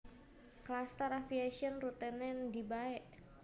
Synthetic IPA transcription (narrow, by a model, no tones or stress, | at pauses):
klast̪əɾafiaʃiɔnrut̪ɛnɛndibaɛʔ